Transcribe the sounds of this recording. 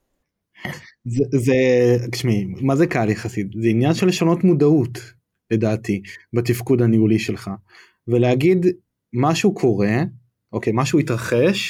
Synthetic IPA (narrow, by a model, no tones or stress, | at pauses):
zezekʃmiimazekaljaχasit̪zeinjanʃelːeʃano̞tmudaut | le̞daːtibatifkudhaniuliʃe̞lχa | veleaɡid | maʃukʰo̞ʁe̞ | ʔo̞kejmaʃuit̪ʁaχe̞ʃ